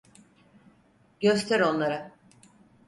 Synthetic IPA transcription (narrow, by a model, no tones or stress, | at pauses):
ɟø̞st̪ʰæɾo̞nlˠaɾa